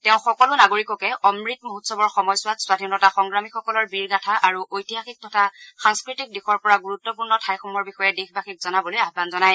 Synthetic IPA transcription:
tɛʊ̃xɔkɔlʊnaɡoɹikɔkɛʔɔmɹitmoɦutsɔbɔɹxɔmɔjsʊwatswadʱinɔtaxɔŋɡɹamikxɔkɔlɔɹbiɹɡatʰaʔaɹuʔojtiɦaxik̚tɔtʰaxaŋskɹitik̚dixɔɹpɔɹaɡuɹutːɔpuɹnɔtʰajxɔmɔɹbixɔjɛdexbaxik̚zɔnabɔlojaɦbanzɔnaj

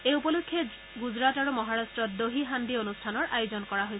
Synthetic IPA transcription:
eupolukʰːje | ɡuzɹataɹumɔɦaɹastɹɔt̚doɦiɦand̪ionustʰanɔɹʔajozɔnkɔɹaɦojs

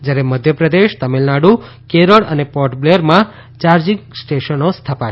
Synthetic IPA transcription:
d͡ʒjaɾeməd̪ʱjəpɾəd̪eʃt̪əmelnaɽũ | keɾəɭənepɔɾʈbleɾmã | t͡ʃaɾd͡ʒiŋksʈeʃənost̪ʰəpa

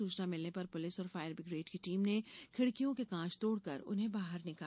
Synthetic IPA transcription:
uːt͡ʃnamɪlnepɐɾpʊlɪsɔːɾfaːɪjəɾbɪɡɾeːʈkiʈiːmnekʰɪɽkijõkekãːt͡ʃt̪oːɽkɐɾʊ̰nɦẽbaːɦəɾnɪkaː

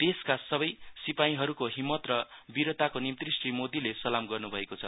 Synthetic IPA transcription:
d̪̥eskasʌbʌjsipaĩɦʌɾukoɦimːʌt̪rʌbiɾʌt̪akonimt̪risʈimod̪ilesʌlamɡʌrnubʱʌekot͡sʰʌ

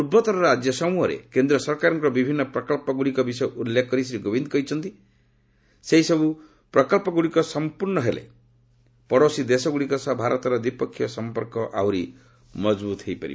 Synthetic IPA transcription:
ubʱɔt̪ɔɾɔɾad͡ʒjɔsɔmuɦɔɾḛkend̪ɾɔsɔɾkaɾɔŋkɔɾɔbibʱinːɔpɾɔkɔlpɔɡuɽikɔbisɔjʔulːekʰkːɔɾisiɾiɡɔbind̪ɔkɔɦit͡ʃʰɔnt̪i | seɦisɔbu | pɾɔkɔlpɔɡuɽikɔsɔmpuɾɳɔɦelḛ | pɔɽosid̪esɔɡuɽikɔsɔbʱaɾɔt̪ɔɾɔd̪ipɔkʰːjɔsɔmpɔɾkɔʔa̰wɾi | mɔd͡ʒbut̪ɦejpa̰ɾḭ

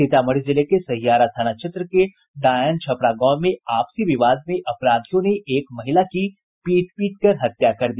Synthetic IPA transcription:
sɪt̪amɐɽ̤d͡ʒɪlekesɐɦijaːɾast̪ʰaːñat͡ʃʰɪt̪ɾəke | ɖaːjənt͡ʃʰɐpɾaɡɔːmẽaːpsiʋɪʋaːd̪̚mẽʔɐpɾaːd̪ʰʱijõneʔeːkmɐɦɪlaki | piːʈpiːʈ̚kɐɾɦɐt̪jakɐɾd̪iː

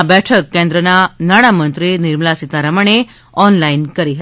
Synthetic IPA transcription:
bɛʈʰəkːẽnd̪ɾənanaɽ̃amənt̪ɾiniɾməlasit̪aɾəməɳe | ɔnlainkəɾiɦət̪

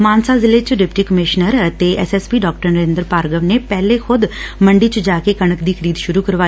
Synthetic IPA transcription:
maːnsaːzɪlet͡ʃəɖɪp̚ʈiːkəmɪʃnəɾət̪eɛ̰sɛːspiːɖɔːk̚ʈəɾnəɾẽːnd̪əɾpaːɾɡəʋnepɛːlexʊd̪məɳɖit͡ʃəd͡ʒaːkekəɳ̃əkd̪iːkʰəɾiːd̪ʃʊɾuːkəɾʋaːi

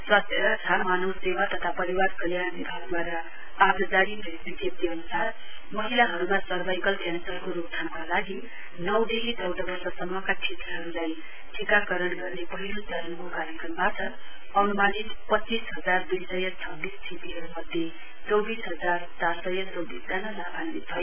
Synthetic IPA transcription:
swast̪ʰjʌʌt̪ʰamanʌwsewat̪ʌt̪ʰapʌɾiwarkʌljabibʱaɡd̪waɾʌ | ad̪ʌd͡zaɽipesb̪iɡjʌp̚t̪iʌnusar | mʌɦilaɦʌɾumasʌɾbajkʌlkjansʌrkoɾup̚t̪ʰanakalaɡi | nʌwd̪eɦit͡sʌwd̪ʌbʌrsʌsʌmːʌkat͡sʰit̪ɦʌɾulaj | ʈʰikakʌɾʌnɡʌrnepʌɦilosʌɾʌnkokaɾjʌkrʌmbatʌ | ʌnumanitpʌt͡sːisɦʌd͡zard̪ujsʌjʌt͡sʰʌbːist̪ʰit̪iɦʌɾumʌd̪ʱːje | t͡sʌwbisɦʌd͡zart͡sasʌjʌt͡sʌwbisd͡z̪anʌlabʰʱanmibʰʱʌje

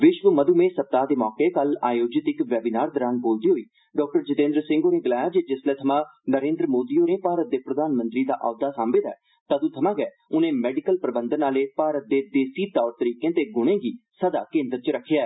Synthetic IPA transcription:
ʋɪʃʋəməd̪uːmẽːsəp̚t̪aːd̪eːmɔːkeːkəla̰ːjoːd͡ʒɪt̪ɪkʋɛːbiːnaːɾd̪əɾãːnboːld̪iːɦoːiː | ɖɔːk̚ʈəɾd͡ʒɪt̪ẽːnd̪ɾsɪ̃ŋɡoneːɡəlaːjaːd͡ʒed͡ʒɪslɛːt̪ʰəmãːnəɾẽːnd̪ɾəmoːd̪iːonẽːpaːɾət̪̚d̪eːpɾəd̪aːnmə̃nt̪ɾiːd̪a̰ːʔaːd̪aːsãːmbɪd̪ɛ̰ː | t̪ad̪ũːt̪ʰəmãːɡɛː | ʊnẽːmɛːɖɪkəlpɾəbə̃nd̪ənaːleːpaːɾət̪̚d̪eːd̪eːsiːt̪ɔːɾt̪əɾiːkẽːt̪eːɡʊɽ̃ẽːɡiːsəd̪aːkẽːnd̪əɾt͡ʃɾəkʰːejaːɛː

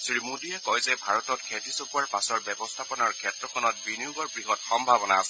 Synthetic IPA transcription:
sɹimudiɛkɔjzɛbʱaɹɔtɔtkʰetisɔpuaɹpasɔɹbɛbɔstʰapɔnaɹkʰɛtɹɔkʰɔnɔt̚binijuɡɔɹbɹiɦɔtxɔmbʱabɔnaas

